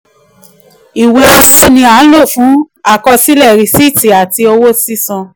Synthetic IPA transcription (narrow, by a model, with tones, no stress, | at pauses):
i˨we˨˦˧si˦nĩ˧a˨˦n̩˦lo˦˨fũ˨˦ | a˦˨kɔ˧si˦lɛ˦˨ɾi˨si˦˨ti˨a˨ti˧o˧wo˦si˦sɔ̃˧